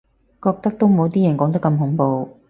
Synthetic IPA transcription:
kɔː˧k̚t̪ɐ˥k̚t̪o˥wmo˨˧wt̪̬iː˥jɐ˨˩nkɔː˨˥ŋt̪ɐ˥kɐ˧mɦʊ˨˥ŋpo˨˧w

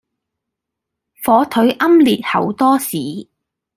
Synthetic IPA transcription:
fɔː˨˧t̪ʰɵ˨˥ɥʔɐ˥mliː˨t̚hɐ˨˩wt̪ɔː˥siː˨˥

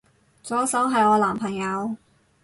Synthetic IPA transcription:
t͡sɔː˨˥sɐ˨˥wɦɐ˨jɔː˧laː˨˩mpʰɐ˨˩ŋjɐ˨˧w

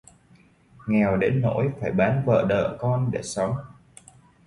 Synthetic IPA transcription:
ŋɛ˨˩wɗe˨˦nːo̰˧˥jfaː˧˩jɓaː˨˦nvə̰ː˧˨ɗə̰ː˧˨kɔ˧nɗe˧˩sə˨˦wŋ͡m

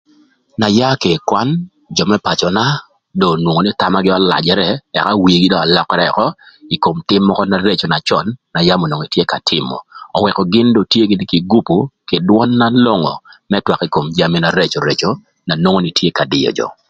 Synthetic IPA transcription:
na˨ja˦ke˨kwa˦n | d͡ʒɔ˨mɛ˦pa˨t͡ʃɔ˨na˦ | dɔ˨nwo˨ŋo˨ni˦t̪a˦ma˦ɡɪ˦a˦la̰˨d͡ʒɛ˨ɾɛ˦ɛ̰˨ka˦wi˨ɡɪ˦dɔ˦a˨lɔ˦kɛ˦ɾɛɛ˨kɔ˦ | i˨ko˨mtɪ˦mːɔ˦kɔ˦na˨ɾe˦t͡ʃo˨na˨t͡ʃɔ˨nːa˨ja˦mo˨no˨ŋi˨tje˦ka˨tʰɪ˦mɔ̰˨ɔ̰˨wɛ˨kɔ˨ɡɪ˦ndɔ˨tje˦ɡɪ˦n˦ki˨ɡu˦pu˨kɪ˨dwɔ˦nːa˦lo˦ŋɔ̰˨mɛ˦twa˨ki˨ko˨md͡ʒa˦mi˦na˨ɾe˦t͡ʃo˨ɾe˨t͡ʃo˦ | na˨no˦ŋo˦ni˨tje˦ka˨dɪ̰˨jɔ̰˨d͡ʒɔ̰˨

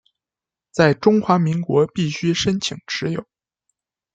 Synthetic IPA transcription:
t͡sa˥˩ɪʈ͡ʂʊ˥ŋxwa˧˥mi˧˥ŋkwɔ˧˥pi˥˩ɕy˥ʂə˥nt͡ɕʰi˨˩ŋʈ͡ʂɻ̩˧˥jo˨˩˦ʊ

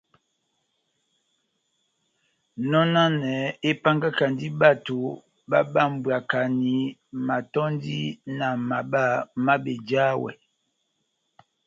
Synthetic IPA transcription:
nɔ˦na˦nɛ˨˦e˦pa˦ŋɡa˦ka˨ndi˦ɓa˦˨to˨ | ba˦ɓa˦˨m̩˨bwa˨ka˨ni˨˦ma˨tɔ˦n˦di˦na˨ma˨ba˦˨ma˦be˨d͡ʒa˦wɛ̰˨

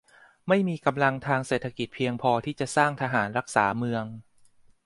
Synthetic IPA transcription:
ma˥˩jmiː˧ka˧mla˧ŋt̪ʰaː˧ŋseː˨˩t̪ʰːa˧ki˨˩t̪̚pʰi˧əŋpʰɔː˧t̪ʰiː˥˩t͡ɕa˨˩saː˥˩ŋt̪ʰa˧ɦaː˩˦nɾa˦˥k̚saː˩˦mɯ˧əŋ

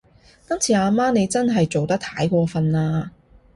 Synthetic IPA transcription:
k̪ɐ˥ŋt͡sʰiː˨aː˧maː˥ne˨˧jt͡sɐ˥nɦɐ˨jt͡so˨wt̪ɐ˥k̚t̪ʰaː˨˥jkʷɔː˧fɐ˧naː˧

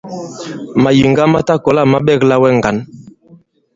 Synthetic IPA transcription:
ma˨ji˨ŋɡa˦ma˦ta˦kɔ˨la˦˨ma˦ɓɛ˦˨kla˦wɛ˦ŋɡa˨˦n

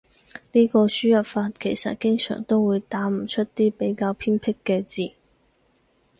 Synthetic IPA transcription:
niː˥kɔː˧syː˥jɐ˨p̚faː˧t̚kʰe˨˩jsɐ̰˨t̚kɪ˥ŋsœ̰ː˨˩ŋt̪o˥wwuː˨˧jt̪aː˨˥m̩˨˩t͡ʃʰɵ˥t̚t̪iː˥pe˨˥jkaː˧wpʰiː˥npʰɪ˥kːɛː˧t͡siː˨˩

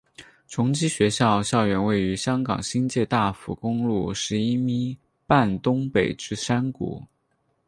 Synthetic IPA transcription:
ʈ͡ʂʰʊ˧˥ŋt͡ɕi˥ɕɥɛ˧˥ɕjɑ˥˧ʊɕjɑ˥˩ʊɥɛ˧˥nwe˥˩ɪy˧˥ɕjɑ˥ŋkɑ̰˨˩ŋɕi˥nt͡ɕjɛ˥˧t̪a˥˩fṵ˧˥kʊ˥ŋlu˥˩ʂɻ̩˧˥i˥mi˥ | pa˥˩nt̪ʊ˥ŋpe˨˩ɪʈ͡ʂɻ̩˥˩ʂa˥nkṵ˨˧˩

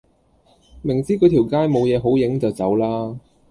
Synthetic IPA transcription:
mɪ˨˩ŋt͡siː˥kɵ˨˥t̪ʰi˨˩wkaː˥jmo˨˧wjɛː˨˧ɦo˨˥wjɪ˨˥ŋt͡sɐ˨wt͡sɐ˨˥wlaː˥

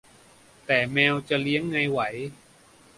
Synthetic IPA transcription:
t̪ɛː˨˩mɛː˧wt͡ɕa˨˩li˦˥əŋːa˧jwa˩˦j

